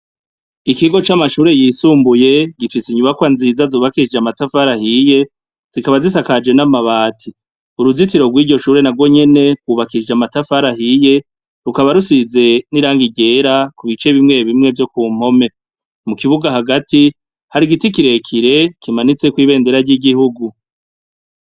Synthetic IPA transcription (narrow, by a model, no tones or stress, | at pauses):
ikiɡo̞t͡ʃamaʃuːɾe̞jiːsuːmbuje̞ɡifisiɲuβakwanziːzazoːβakid͡ʒeamatafaɾahije̞ | z̥ikaβazisakad͡ʒe̞namaβaːtʰi | uɾuzit̬iɾo̞ɡwiːɟo̞ʃuːɾe̞naɡwo̞ɲe̞ne̞wuβakid͡ʒamatafaɾaɦije̞ | ɾukaβaɾusize̞niɾaːŋɡiɟe̞ɾakuβit͡ʃe̞βimŋe̞βimŋe̞vjo̞kuːm̥ho̞me̞ | mukiβuɡaɦaɡati | haɾiɡitikiɾe̞kʰiɾe̞kimanit͡sekwiːβe̞ːnde̞ɾaɟiɡihuɡu